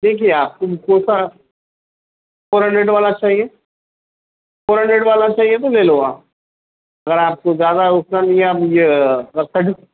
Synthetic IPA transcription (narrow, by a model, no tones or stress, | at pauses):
d̪eːkʰieaːp̚kobɪkõːsa | foːɾɦəɳɖeɖʋaːlat͡ʃaːɦie | foːɾɦə̃ɳɖeɖʋaːlat͡ʃaːɦiet̪oleːloːaː | ɐɡəɾaːp̚kozjaːd̪aʊsnanĩaːpjekɐsəʈ